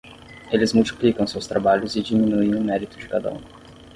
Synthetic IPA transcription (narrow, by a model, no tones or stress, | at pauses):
elɪzmult͡ʃi̥plikɐ̃w̃sewst̪ɾabaʎʊzɪd͡ʒiminuẽj̃ʊmɛɾit̪ʊd͡ʒɪkad̪ɐ̰ṵ̃